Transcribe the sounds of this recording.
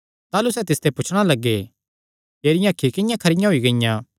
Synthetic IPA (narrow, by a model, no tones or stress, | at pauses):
t̪aːlusɛt̪ɪst̪epʊt͡ʃʰɽ̃alɐɡːe | eːɾɪjãːkʰːikɪjãkʰɐɾɪjãɦoiɡɐɪjãː